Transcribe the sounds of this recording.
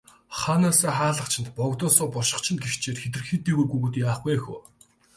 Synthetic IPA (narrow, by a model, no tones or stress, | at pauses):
χanaːsaːχaːɮə̆χt͡ɕʰɪ̆nt̪pɔkt̪ʊːsʊːpɔrʃɪ̆χt͡ɕʰɪ̆nɡext͡ɕʰeːt̪xet̪ɘ̆rxit̪ːeːɣujɡuɣŭt̪jaːχɡujexṵː